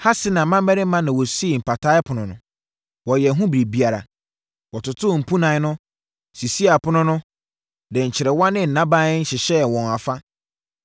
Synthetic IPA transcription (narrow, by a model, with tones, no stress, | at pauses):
ha˦sɪ˦nã˨mã˦m˦ɛ˦ɾɪ˦mã˦nã˨wɔ˨si˦e˨m̩˨pʰa˨tʰa˦ɪ˦pʰʊ˨nʊ̃˨nʊ̰̃˨ | wɔ˨jɛ˨˦ɦʊ̃˦bɾe˨bi˦a˨ɾa̰˨ | wɔ˨tʊ˨tʰʊ˦˨m̩˨pʰũ˦nã˨˦nʊ̃˦ | si˨si˦a˨pʰʊ˦nʊ̃˦nʊ̃˦ | dɪ̃˨ɲ̩˨t͡ɕʰɪ˨ɾɛ˨wɔ̃˦nɪ̃˦n̩˨nːã˦bã˦ɪ˦n̩˦ɕɪ˨ɕɛ˦˨wɔ̃˨na˨fa˦